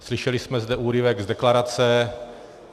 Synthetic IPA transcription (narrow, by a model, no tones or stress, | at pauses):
slɪʃɛlɪsmɛzd̪ɛʔuːɾɪvɛɡzd̪ɛklaɾat͡sɛ